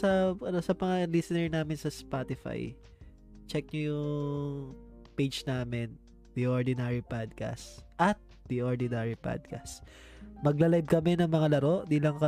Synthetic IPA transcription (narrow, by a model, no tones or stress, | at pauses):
ɐɐnosɐmɐŋalisɪnɛɹnaːmɪnsɐspat̪ɪfa̰j | t͡ʃɛk̚ɲɐjʊŋ | pejd͡ʒnaːmɪn | d̪iʔoɹd̪ɪnaɹipad̪̚ka̰st̪ʔɐt̪̚ | d̪iʔoɹd̪ɪnaɹipa̰d̪̚ka̰st̪ | mɐɡlɐlajb̚kɐmɛnɐŋmɐŋalɐɾo̞ʔd̪iːlɐŋkɐ